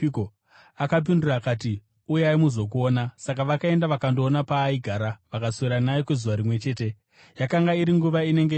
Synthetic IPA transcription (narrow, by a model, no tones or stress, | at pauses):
ko | akap̬indurakaːti | ujaimuzo̞k̬uo̞ːnasak̬aʋakae̞ndaʋakando̞ːnapaːiɡʱaːɾaʋakasoiɾanajikwezuʋaɾimwe̞t͡ʃe̞ːte̞ | jakaŋɡaiɾiŋɡuʋaine̞ŋɡe